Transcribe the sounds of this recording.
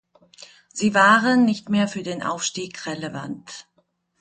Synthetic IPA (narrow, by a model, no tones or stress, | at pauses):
z̥iːvaːʁənːɪçtmeːɐfyːɐdeːnʔa̰ʊfʃtiːkʁeleva̰nt